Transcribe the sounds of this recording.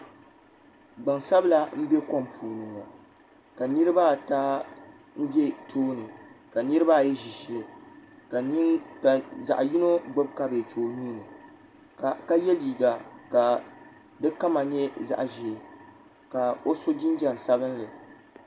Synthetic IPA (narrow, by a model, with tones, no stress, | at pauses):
ɡ͡ba˨ŋsa˦bla˦m̩˦bɛ˦kɔ˦mpʰuː˨nɨ˨ŋa̰˨ | ka˨nɨ˦ɾɨ˦ba˦˨taː˦ | m̩˦bɛ˦tʰoː˦nɨ˨ka˨nɨ˦ɾɨ˦ba˦˨jɛ˦ʒi˨ʃi˨lɨ˨kka˨za̰˨ʔji˦no˦ɡ͡bo˦bka˦be˨t͡ʃoː˨nuː˦nɨ˨ | ka˦jɛ˦liː˨ɡa˨ka˨ | dɨ˦ka˦ma˨ɲɛ˦za̰˦˨ʔʒe˨ | ka˨o˦so˦d͡ʒɪ˦nd͡ʒa˨n˨sa˦bɨ˦n˦lɨ˨